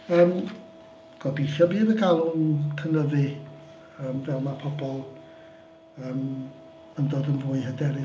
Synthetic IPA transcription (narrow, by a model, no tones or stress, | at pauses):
əːm | ɡ̥ɔbiθjɔbiːðəɡalˠʊnkʰənəðɨ | əːmvɛlˠmapʰɔbɔlˠ | əːm | əndoːdənvʊːɨɦədɛɾɪ